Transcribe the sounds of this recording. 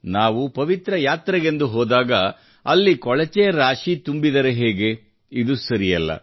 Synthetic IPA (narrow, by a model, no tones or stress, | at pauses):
naːʋupɐʋit̪ɾɐjaːt̪ɾɐɡe̞nd̪uɦoːd̪aːɡɐ | ɐlːikɔɭɐt͡ʃɛjɐɾaːʂit̪umbid̪ɐɾeɦeːɡe̞ | id̪usɐɾijɐlːɐ̰